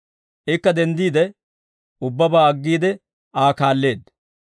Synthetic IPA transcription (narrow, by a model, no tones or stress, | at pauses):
ʔɪkːɐd̪ɛnd̪iːd̪ɛ | ʊbːɐbaːɐɡːiːd̪ɛ | aːkaːlːe̞ːd̪